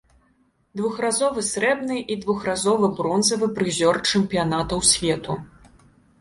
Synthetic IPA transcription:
d̪vuxrazɔvɨsɾɛbnɨʔid̪vuxrazɔvɨbɾɔnzɐvɨpɾɨzʲɔrt͡ʂɨmpʲijan̪at̪ɐwsʲvʲɛt̪u

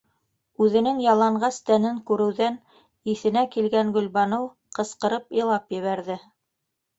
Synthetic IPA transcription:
ʉðɘ̆nɘŋjɑlˠɑɴɢɑst̪ænɘŋkʉɾɘ̆wðæn | iθɘ̆nækilɡæŋɡɵ̆lbɑnɤw | qɤ̆sqɤ̆ɾɤpilˠɑpjɘ̆βæɾðɘ

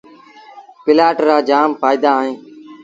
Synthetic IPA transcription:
pɪlaːʈɾaːd͡ʒaːmfaːɪd̪aːɦẽː

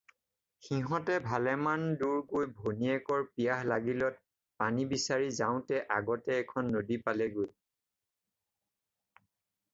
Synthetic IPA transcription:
xiɦɔ̃tɛbʱalɛmanduɹkojbʱoniɛkɔɹpijaɦlaɡilɔt̚ | panibisaɹizaʊ̃tɛʔa̰ɡɔtɛːkʰɔnːodipalɛɡoj

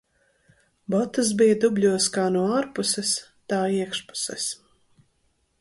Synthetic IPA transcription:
bɔt̪ːas̬bijɐd̪ubʎʲuɔskaːnuɔaːɾpusɛst̪aːiɛkʃpu̥sɛs

